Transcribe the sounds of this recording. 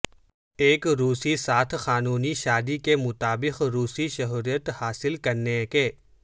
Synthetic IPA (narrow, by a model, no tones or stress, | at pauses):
eːkɾuːsisaːt̪ʰxaːnuːniʃaːd̪ikemʊt̪aːbɪqɾuːsiʃɐɦɾijət̪haːsɪlkɐɾnekeː